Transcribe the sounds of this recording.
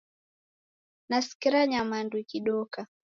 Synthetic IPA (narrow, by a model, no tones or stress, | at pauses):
nasi̥kiɾaɲamandwikiɗɔka